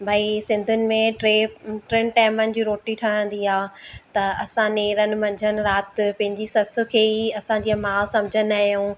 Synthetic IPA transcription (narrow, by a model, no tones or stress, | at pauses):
bʱaisɪ̃nd̪ʱʊnɪ̆mẽʈɾeːʈɾeːnʈaːɪmənɪ̆d͡ʑiːɾoːʈiʈʰɐɽ̃ə̃nd̪iɦaːt̪ɐɐsãneːɾənɪ̆mɐ̃ɲd͡ʑʱənɪ̆ɾaːt̪pɐ̃ɦɪ̃ɲd͡ʑisɐsʊ̆kʰeːiɐsãɲd͡ʑiːɐmaːsɐ̃md͡ʑʱənaːɦjũː